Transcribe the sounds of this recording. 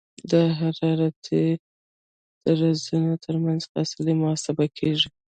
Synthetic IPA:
d̪əɦaɾɑɾat̪e | d̪̥əɾazunot̪ʰəɾmanz̥fɑ̰sɪlimʊsabakʰeʒi

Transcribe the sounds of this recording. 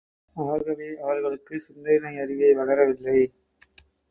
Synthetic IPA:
ɐʋɐɾɣɐɭeːɐʋɐɾɣɐɭɯkːɯsɪnd̪ɐjnɐɪɐɾɪʋɐɪʋɐɽɐɾɐʋɪlːɐɪ

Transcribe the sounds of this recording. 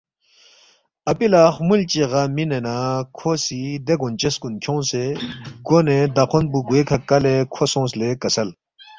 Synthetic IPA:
ɐpilaːxmult͡ɕeɣɐminenakʰosid̪eɡont͡ɕeskunkʰjõːseɡoned̪ɐqʰonbuɡuekʰɐkːɐlekʰosõːslekɐsɐl

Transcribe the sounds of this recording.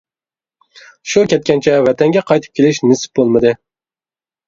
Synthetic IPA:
ʃukʲɛt̪̚kʲɛnt͡ʃʰɛvɛt̪ʰɛŋɡʲɛqʰɑjt̪ʰɨ̥p̚kʲelɪʃnɨsɨ̥p̚bolˠmɨd̪ɨ

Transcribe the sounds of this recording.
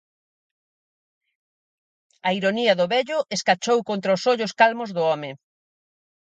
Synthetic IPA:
ɐiɾoniɐðʊβɛʎʊʔeskat͡ʃowkont̪ɾaʊsoʎʊskalmʊzðʊɔmɪ

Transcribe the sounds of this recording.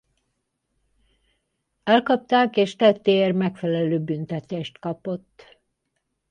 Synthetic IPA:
ɛlkɒp̚t̪aːkeːʃt̪ɛt̪ːermɛkfɛlɛløːbynt̪ɛt̪eːʃt̪kɒpo̞t̪ː

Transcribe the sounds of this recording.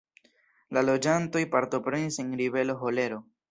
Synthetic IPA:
lalo̞d͡ʒanto̞jpaɾto̞pɾe̞nise̞nɾive̞loɦo̞le̞ɾo̞

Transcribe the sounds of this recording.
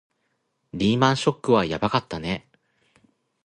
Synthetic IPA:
ɾʲiːmãɰ̃ɕo̞kːɯ̟βajabakat̪ːane

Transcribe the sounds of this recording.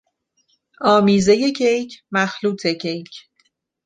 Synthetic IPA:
ɒːmiːzeje̞cʰejcʰmæxluːt̪ʰe̞cʰejcʰ

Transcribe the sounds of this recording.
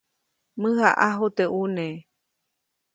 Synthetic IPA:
mɨ̃haʔaɦot̪eʔunẽ

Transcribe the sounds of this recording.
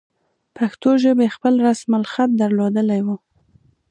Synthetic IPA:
paxt̪oʒəbexpəlɾasmalxat̪̚d̪aɾlod̪əlajwu

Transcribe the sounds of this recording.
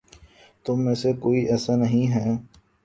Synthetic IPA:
t̪ʊmːẽːsekoːiʔɛːsanəɦĩɦɛː

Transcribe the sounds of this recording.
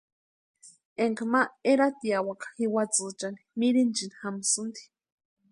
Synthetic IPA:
eŋkamaeɾat̪iawakḁxiwat͡sɨt͡ʃani̥miɾint͡ʃinixamsɨnd̪i̥

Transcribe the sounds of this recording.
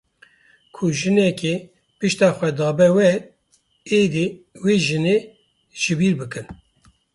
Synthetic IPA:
kʰʊʒɨnɛke | pɨʃt̪ɑːxʷɛd̪ɑːbɛwɛɾ | eːd̪iweːʒɨneː | ʒ̥ɨbiːɾbɨkɨn

